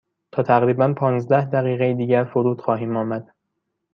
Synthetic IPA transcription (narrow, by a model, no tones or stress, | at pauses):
t̪ʰɒːt̪ʰæɣɾiːbænpʰɒːnzd̪æhd̪æɣiːɣejid̪iːɟæɾfoɾuːt̪xɒːɦiːmɒːmæd̪̥